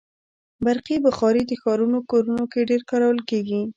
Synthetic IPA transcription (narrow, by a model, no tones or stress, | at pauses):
baɾqibəxɑɾed̪əxɑɾunokoɾunokeɖeɾkɑɾawəlkeɡi